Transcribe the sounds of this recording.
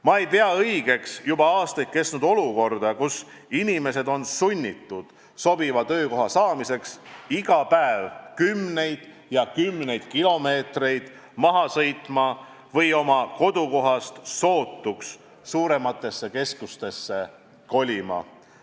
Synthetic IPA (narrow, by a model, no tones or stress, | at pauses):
mɑe̞jpeɑɤjɡ̥e̞ksjubɑɑːst̪ɑjt̪̚ke̞snud̪o̞luko̞rd̪̥ɑkus | inʲime̞se̞d̪o̞nsunʲːit̪ːud̪̥ | so̞bivɑt̪ø̞ːko̞ɦɑsɑːmise̞ksiɡ̥ɑpæevkymne̞jd̪̥ | jɑkymne̞jd̪̥kilo̞me̞ːt̪re̞jd̪̥ | mɑɦɑsɤ̞jt̪ˑmɑ | vɤjo̞mɑko̞d̪uko̞ɦɑst̪ːo̞ːt̪ːuksː | uːɾe̞mɑt̪ːˑe̞sːe̞ke̞skust̪e̞sːe̞ | ko̞lʲimɑ̰